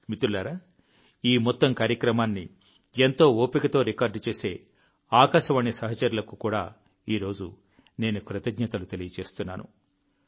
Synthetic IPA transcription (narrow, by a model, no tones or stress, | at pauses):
mit̪uɾlaːɾaː | iːmɔt̪ːɐmkaːɾjɐkɾɐmaːnːḭ | ent̪o̞ːoːpikɐt̪o̞ːɾikaːɾɖt͡ʃe̞ːse̞ː | aːkaːʃɐʋɐnːisɐɦɐt͡ʃɐɾulɐkukuːɽa̰ː | iːɾo̞ːd͡ʒu | ne̞ːnukɾɐt̪ɐɡɲɐt̪ɐlut̪elijɐt͡ʃe̞ːst̪unːa̰ːnṵ